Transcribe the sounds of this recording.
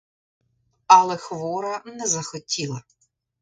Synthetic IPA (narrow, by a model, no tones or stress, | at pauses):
ɐlˠɛxʋɔɾɐnɛzɐxɔtʲilˠɐ